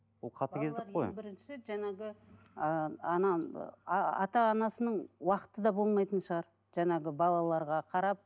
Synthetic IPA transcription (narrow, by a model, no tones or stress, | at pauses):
bʊlˠqʰɑt̪əkʲʰe̞zd̪ɪkqʰːo̰jbɪɾɪnʃɪʒæŋɑɡʲɪ | əɑnɑ | ɑ̰t̪ɑːnɑsənəɴwɑqə̥t̪əd̪ɑbo̞lˠmɑjt̪ənʃəʁɑɾ | ʒæŋɑɡʲɪbɑlˠɑlˠɑɾʁɑqʰɑɾɑp̚